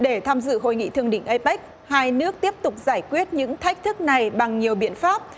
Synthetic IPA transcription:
ɗe˧˩t̪ʰaː˧mzɨ̰˧˨ɦo̰˧˨jŋḭ˧˨t̪ɨ˧˩əŋɗï˧˩ŋ̟ʔə˧jɓa˦˥k̚ | haː˧jnɨ˦˥ək̚t̪i˦˥əp̚t̪ʊ˨˩k͡p̚zaː˧˩jkwi˦˥ət̚ɲɨ̰˧˥ŋt̪ʰa˦˥jk̚t̪ʰɨ˦˥k̚na˨˩jɓa˨˩ŋɲi˨˩əwɓḭ˧˨ənfaː˦˥p̚

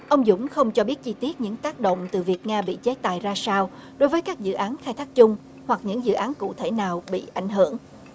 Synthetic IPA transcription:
ʔə˧wŋ͡mzʊ̰˧˥ŋ͡mxə˧wŋ͡mt͡ɕɔ˧ɓi˦˥ət̚t͡ɕi˧t̪i˦˥ət̚ɲɨ̰˧˥ŋt̪aː˦˥k̚ɗo̰˧˨wŋ͡mt̪ɨ˨˩vi˨˩ək̚ŋaː˧ɓḭ˧˨t͡ɕe˦˥t̪a̰ː˨jzaː˧saː˧wɗo˨˦jvəː˨˦jkaː˦˥k̚zɨ̰˧˨ʔaː˨˦nxaː˧jt̪ʰaː˦˥k̚t͡ɕʊ˧ŋ͡m | hwa˨˩k̚ɲɨ̰˧˥ŋzɨ̰˧˨ʔaː˨˦nkṵ˧˨t̪ʰe˧˩naː˨˩wɓḭ˧˨ʔa˧˩jŋ̟ɦɨ̰˧˩əŋ

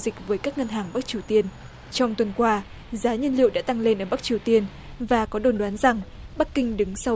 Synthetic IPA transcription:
zï˨˩k̚vəː˨˦jkaː˦˥k̚ŋə˧nɦaː˨˩ŋɓa˦˥k̚t͡ɕi˧˩əwt̪i˧ən | t͡ɕɔ˧wŋ͡mt̪wə˨˩nkwaː˧ | zaː˨˦ɲə˧nlḭ˧˨wɗa̰ː˧˥t̪a˧ŋle˧nʔəː˧˩ɓa˦˥k̚t͡ɕi˧˩əwt̪i˧ən | vaː˨˩kɔ˨˦ɗo˨˩nɗwaː˨˦nza˨˩ŋ | ɓa˦˥k̚kːï˧ŋ̟ɗɨ˨˦ŋsa˧

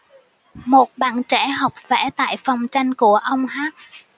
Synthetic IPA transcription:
mo˨˩t̚ɓa̰ː˧˨nt͡ɕɛ˧˩ɦa˨˩wk͡p̚vɛ˧˩˦t̪a̰ː˧˨jfɔ˨˩wŋ͡mt͡ɕa˧jŋ̟ku˧˩əʔə˧wŋ͡mɦaː˦˥k̚

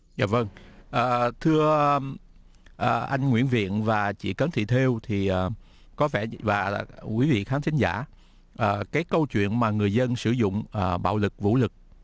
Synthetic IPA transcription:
zaː˧˩və˧ŋʔəː˨˩t̪ʰɨ˧ə | ʔəː˨˩ʔa˧jŋ̟ŋwḭ˧˥ənvḭ˧˨ənvaː˨˩t͡ɕḭ˧˨kəː˨˦nt̪ʰḭ˧˨t̪ʰe˧wt̪ʰi˨˩ʔəː˨˩ | kɔ˨˦vɛ˧˩vaː˨˩kwi˨˦vḭ˧˨xaː˨˦nt̪ʰï˦ŋ̟zaː˧˩ | ʔəː˨˩kaː˨˦jkə˧wt͡ɕwḭ˧˨ənmaː˨˩ŋɨ˨˩əjzə˧nsɨ˧˩zʊ̰˧˨ŋ͡mʔəː˨˩ɓa̰ː˧˨wlɨ˨˩k̚vṵ˧˥lɨ˨˩k̚

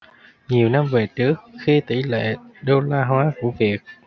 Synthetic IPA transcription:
ɲi˨˩əwna˧mve˨˩t͡ɕɨ˦˥ək̚xi˧t̪i˧˩lḛ˧˨ɗo˧laː˧ɦwaː˨˦ku˧˩əvi˨˩ək̚

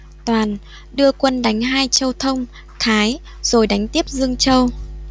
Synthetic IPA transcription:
t̪waː˨˩n | ɗɨ˧əkwə˧nɗa˨˦jŋ̟ɦaː˧jt͡ɕə˧wt̪ʰə˧wŋ͡m | xaː˨˦j | z̥o˨˩jɗa˨˦jŋ̟t̪i˦˥əp̚zɨ˧əŋt͡ɕə˧w

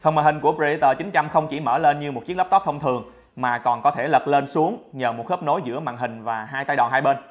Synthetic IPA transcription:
t̪ʰə˧˩wmaː˨˩hï˨˩ŋ̟ku˧˩əpza˧i˧˦t̪əː˧˩t͡ɕï˨˦ŋ̟t͡ɕa˧mxə˧wŋ͡mt͡ɕi˧˩məː˧˩le˧nɲɨ˧mo˨˩t̚t͡ɕi˦˥k̚lə˦˥t̪ɔ˦˥t̪ʰə˧ŋ͡mt̪ʰɨ˨˩əŋ | maː˨˩kɔ˨˩nkɔ˨˦t̪ʰe˧˩lə˨˩t̚le˧nsu˨˦əŋɲəː˨˩mo˨˩t̚xəː˦˥p̚no˨˦jzɨ̰˧˥əma̰ː˧˨ŋɦï˨˩ŋ̟vaː˨˩ɦaː˧jt̪aː˧jɗɔ̰˨˩nɦaː˧jɓe˧n

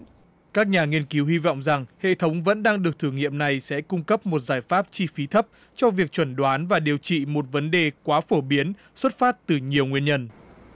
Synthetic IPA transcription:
kaː˦˥k̚ɲaː˨˩ŋi˧ənki˨˦whi˧vɔ̰˧˨wŋ͡mza˨˩ŋhḛ˧˨t̪ʰə˨˦wŋ͡mvə̰˧˥nɗaː˧ŋɗɨ˨˩ək̚t̪ʰɨ˧˩ŋḭ˧˨əmna˨˩jsɛ̰˧˥kʊ˧ŋ͡mkə˦˥p̚mo˨˩t̚zaː˧˩jfaː˦˥p̚t͡ɕi˧fi˨˦t̪ʰə˦˥p̚ | t͡ɕɔ˧vi˨˩ək̚t͡ɕwə˧˩nɗwaː˨˦nvaː˨˩ɗi˨˩əwt͡ɕḭ˧˨mo˨˩t̚və˨˦nɗe˨˩kwaː˨˦fo˧˩ɓi˨˦ən | swə˦˥t̚faː˦˥t̚t̪ɨ˨˩ɲi˨˩əwŋwi˧ənɲə˧n

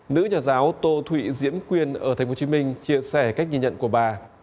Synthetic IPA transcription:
nɨ̰˧˥ɲɔː˨˩zaː˨˦wt̪o˧t̪ʰwḭ˧˨zḭ˧˥əmkwi˧ənʔəː˧˩t̪ʰŋ̟fo˨˦t͡ɕi˨˦mï˧ŋ̟t͡ɕi˧əsɛ˧˩ka˦˥jk̚ɲi˧˩ɲə̰˧˨nku˧˩əɓaː˨˩

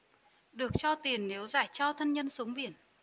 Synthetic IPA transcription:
ɗɨ˨˩ək̚t͡ɕɔ˧t̪i˨˩ənːe˨˦wzaː˧˩jt͡ɕɔ˧t̪ʰə˧nɲə˧nsu˨˦əŋɓi˧˩ən

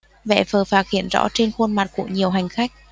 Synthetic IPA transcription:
vḛ˧˨fəː˨˩faː˨˩t̚hḭ˧˨ənzɔ̰˧˥t͡ɕe˧nxu˧nma˨˩t̚kṵ˧˩əɲi˨˩əwɦa˨˩jŋ̟xa˦˥jk̟̚

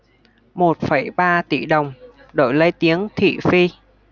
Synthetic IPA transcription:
mo˨˩t̚fə˧˩jɓaː˧t̪ḭ˧˩ɗə˨˩wŋ͡m | ɗo̰˧˩jlə˧jt̪i˨˦əŋt̪ʰḭ˧˨fi˧

